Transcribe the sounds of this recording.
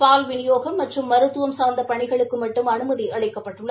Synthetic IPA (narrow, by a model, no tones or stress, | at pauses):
paːlʋɪnɪjoːɣɐmːɐʈrɯmːɐɾɯt̪ːɯʋɐmsaːɾnd̪ɐpɐɳɪɣɐɭɯkːɯmɐʈːɯmɐnɯmɐðiʔɐɭɐɪkːɐpːɐʈːɯɭːɐ